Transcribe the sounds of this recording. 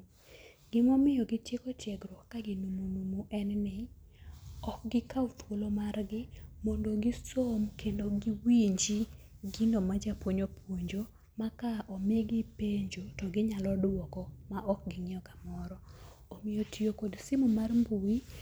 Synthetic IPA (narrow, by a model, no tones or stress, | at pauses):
ɡ̥ɪmɔmɪjɔɡɪtjekɔtjɛɡɾwɔkːaɡɪnumunumuʔɛnnɪ | ɔk̚ɡɪkaʊt̪ʰwolomarɡɪmɔndoɡɪsomkʰendoɡɪwiɲd͡ʒi | ɡɪnomad͡ʒapwoɲopwoɲd͡ʒo | makaʔɔmɪeɡɪpeɲd͡ʒotɔɡɪɲalɔdwɔkɔmaɔk̚ɡɪŋɪjɔkḁmɔɾɔ | omɪjotʰiokodsɪmumarmbuwi